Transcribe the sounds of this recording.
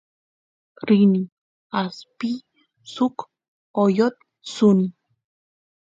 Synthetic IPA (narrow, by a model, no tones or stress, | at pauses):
ɾini | aspi | suk | ojot̪̚ | suni